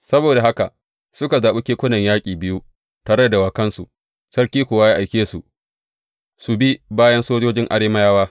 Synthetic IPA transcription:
sɐ˦boː˨da˨ɦa˦ka̰˨ | sʊ˦ka˨zaː˨ɓu˦kʲeː˦kʷʊ˦nɐ˨ɲjaː˦kʲʼiː˨bɪ˦ju˦ | taː˨ɾɐ˦a˨da˨waː˨kɐ˦nsṵ˨ | sɐ˦rkʲiː˦kʷʊː˨wa˦jaː˦ʔa˨jkʲeː˦su˨ʔ | su˨bi˦baː˦jɐ˦nsoː˦d͡ʒoː˦d͡ʒɪ˦ŋʔa̰˨ɽeː˦ma˦jaː˦waː˦

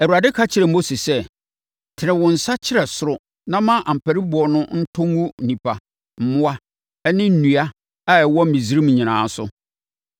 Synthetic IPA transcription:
æ˨wu˨ɾa˨dɪ˦kʰa˦t͡ɕʰɪ˨ɾɛ˨mo˦se˨sɛ˦ | tʰɪ˨nɪ̃˨wʊ̃˨n̩˨sa˦t͡ɕʰɪ˦ɾɛ˨sʊ˦ɾʊ˦ | nã˦mã˦ʔã˨m̩˨pʰæ˨ɾi˦bʊ˨ɔ˨nʊ̃˦n̩˦tʰʊ̃˦ŋ˦wũ˦˨nĩ˨pʰa˨ | m̩˨mʊ̃˦a˦ | ɛ˦nɪ̃˦n̩˦nũ˨a˦ | a˦ɛ˨wɔ̃˦m̩˨mĩ˨zi˦ɾĩ˦m̃˨ɲɪ̃˨nã̰ː˨˦sʊ̰˦

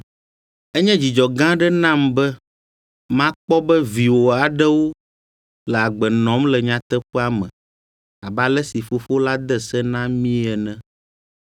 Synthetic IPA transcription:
ɛ˦ɲɛ̃˦d͡ʑi˨d͡ʒɔ˨ɡã˦ɖɛ˦nã˦˨mbɛ˦ | mã˦k͡pɔ˦bɛ˦vi˨wo˨a˨ɖɛ˦wo˦ | lɛ˨a˨ɡ͡bɛ˨nɔ̃˨˦mlɛ˨ɲã˨t̪ɛ˦ɸɛ˦a˦mɛ̰̃˨ | a˨ba˨lɛ˦si˨fo˦fo˦la˦d̪ɛ˦sɛ˦nã˦mĩ˦ɛ˨nɛ̃˦

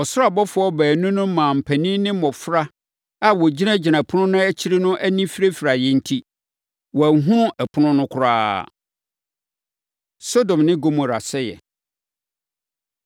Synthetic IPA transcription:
ɔ˨sʊ˦ɾa˨bɔ˦fʊ˦ɔ˦bæː˨nʊ̃˦nʊ̃˦mã˨m̩˨pʰæ˨nĩ˦nɪ̃˦mɔ̃˨fɾa˦ | a˦wɔ˨d͡ʑi˦nã˦d͡ʑɪ˨nã˨pʰʊ˦nʊ̃˦nʊ̃˦æ˦t͡ɕʰi˦ɾi˦nʊ̃˦ʔæ˦nĩ˦fi˦ɾe˦fɪ˨ɾa˨jɛ˦n̩˦tʰi˦ | wɔ˨æ˨ɦũ˦nʊ̃˦ʔɛ˨pʰʊ˦nʊ̃˦nʊ̃˦kʰʊ˨˦ɾa̰ː˦ | so˦dɔ̃˨mnɪ̃˦ɡo˦mʊ̃˨ɾa˨sɛ˦jɛ̰˨

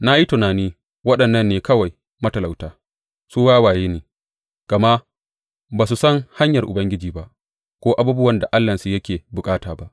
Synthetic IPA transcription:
na˦ji˦tʊ˨naː˨niː˦ | wɐ˦ɗɐ˨nːɐ˦nːeː˨kɐ˦wa˨j | mɐ˦tɐ˨la˨wtaː˦ | suː˦waː˦waː˨jeː˦neː˨ | ɡ̥a˨ma˦ | baː˨s̬u˨sɐ˦ŋha˦ɲjɐ˨rʔʊ̰˨bɐ˦ŋɡʲɪ˦d͡ʒiː˨ba˦ʔ | kʷoː˦ʔa˦buː˦bʊ˦wɐ˨nda˨ʔa˦lːɐ˨nsu˨jɐ˦kʲeː˨bʊ˨kʼaː˦taː˨ba˦ʔ

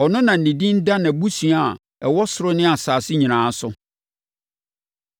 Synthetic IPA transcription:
ɔ˨nʊ̃˦nã˨n̩˨nĩ˨dĩ˦n̩˦da˦nã˨bu˦si˨a˨ | ɛ˨wɔ˦sʊ˨ɾʊ˦nɪ̃˦a˨saː˨sɪ˦ɲĩ˨ɾãː˨˦sʊ˦

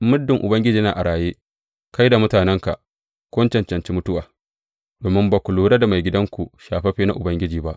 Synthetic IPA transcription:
mʊ˦dːɪ˨ŋʔʊ˨bɐ˦ŋɡʲɪ˦d͡ʒiː˦naː˨ʔa˨ɽaː˨jeː˦ | ka˦jda˨mʊ˦taː˨nɛ˦ŋka̰˨ʔ | kʷʊ˦nt͡ʃɐ˨nt͡ʃɐ˨nt͡ʃiː˦mʊ˦tʊ˦waː˨ | doː˨mɪ˦mbaː˨kʷu˨luː˦ɽa˦da˨ma˨jɡʲɪ˦dɐ˦ŋkʷu˨ʃaː˨ɸɐ˦ɸeː˦na˦ʔʊ˨bɐ˦ŋɡʲɪ˦d͡ʒiː˨ba˦ʔ

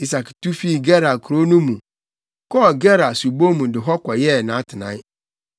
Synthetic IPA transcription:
i˦s̬a˨ktu˦fi˦˨ɡɛ˦ɾa˨kʰɾo˦nũ˦mũ˨ | kɔ˦˨ɡɛ˦ɾa˨su˨bo˦mũ˨dɪ˨ɦɔ˦kʷɔ˨jɛ˦˨nã˨˦tʰɪ˨nã̰˨˦ɪ˦

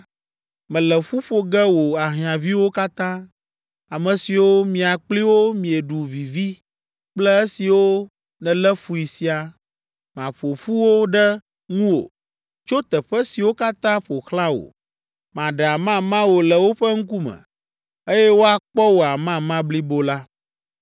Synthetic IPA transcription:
mɛ̃˨lɛ˨ɸu˦ɸo˨ɡɛ˦wo˨a˨ɦĩ˨ã˨vi˦wo˦ka˦t̪ã˦ | a˨mɛ̃˨si˨wo˦mĩ˨a˨k͡pli˦wo˦mĩ˨e˨ɖu˨vi˨vi˦ | k͡plɛ˦e˦si˨wo˦ | nɛ̃˨lɛ˦fu˦i˨si˦a˨ | mã˨ɸo˨ɸu˦wo˦ɖɛ˦ | ŋũ˦wo̰˨ | t͡ʃo˦t̪ɛ˨ɸɛ˦si˨wo˦ka˦t̪ã˦ɸo˨xlã˦wo̰˨ | mã˨ɖɛ˨a˨mã˦mã˦wo˨lɛ˨wo˦ɸə˦ŋ̩˦k̬u˦mɛ̰̃˨ | e˦jɛ˦wo˦a˨k͡pɔ˦wo˨a˨mã˦mã˦bli˦bo˦la˦

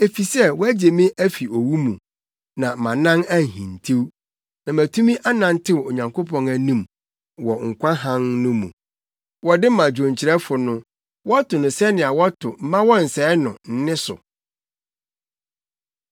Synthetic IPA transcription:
e˨fi˨sɛ˦˨wɔ˦æ˦d͡ʑe˨mĩ˦ʔæ˦fi˨o˨wu˦mũ˨ | nã˨mã˨nã˦næ˦˨ɦĩ˨n̩˨tʰi˦w | nã˨mæ˨tʰũ˦mĩ˦ʔa˦nã˨n˦tʰɪ˦wo˨ɲã˨ŋko˦pʰɔ̃˦næ˨nĩ˦m | wɔ˨ŋ̩˨kʷã˦ɦã˦ŋnʊ̃˦mṵ̃˨ | wɔ˨dɪ˦mã˨d͡ʑᶣõ˨ɲt͡ɕʰɪ˨ɾɛ˦fʊ˨nʊ̃˦ | wɔ˦tʰʊ˨nʊ̃˨sɛ˦nɪ̃˨a˨wɔ˦tʰʊ˨m̩˦mã˦wɔ˦n̩˨sɛ˨˦nʊ̰̃˨n̩˦nɪ̃˦sʊ̰˨

